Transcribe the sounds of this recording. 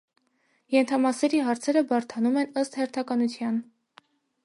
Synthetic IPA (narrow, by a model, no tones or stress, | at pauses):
jɛnt̪ʰɑmɑsɛɾiɦɑɾt͡sʰɛɾəbɑɾt̪ʰɑnumɛnəst̪hɛɾt̪ʰɑkɑnut͡sʰjɑn